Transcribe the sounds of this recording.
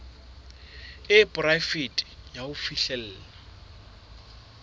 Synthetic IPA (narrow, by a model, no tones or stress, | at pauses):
ɪpʼʊrajfitʼjaʊfiɬɛl̩ːla